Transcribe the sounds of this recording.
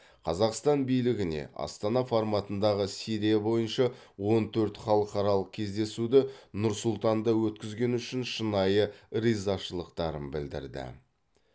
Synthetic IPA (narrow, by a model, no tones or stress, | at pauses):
qʰɑzɑqst̪ɑnbijlɪɡʲɪne̞̰ʔɑ̰st̪ɑnɑfoɾmɑt̪ənd̪ɑʁəsijɾijabo̞jənʃɑwo̞nt̪ʰɵɾt̪χɑlˠəqɑɾɑlˠəq̚kʲʰe̞zd̪e̞sud̪ɪnʊɾsʊlˠt̪ɑnd̪ɑwɵt̪kʲɪzɡʲe̞nʏʃɪnʃənɑjəɾijzɑʃəlˠəqt̪ɑɾənbɪld̪ɪ̰ɾd̪ɪ̰